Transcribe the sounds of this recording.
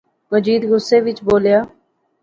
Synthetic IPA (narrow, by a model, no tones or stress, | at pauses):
məd͡ʒiːd̪ɡʊsːeːʋɪt͡ʃboːljaː